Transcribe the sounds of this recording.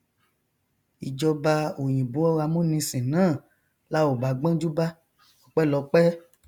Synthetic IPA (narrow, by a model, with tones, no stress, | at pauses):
i˨d͡ʒɔ˧ba˧o˨j̃ĩ˨bo˨˦ɔ˦ɣa˧mũ˦nĩ˧sĩ˨nãː˦˨ | la˦o˨ba˨ɡ͡bã˦d͡ʒu˦ba˦ | ɔ˧k͡pɛ˦lɔ˧˦k͡pɛ˦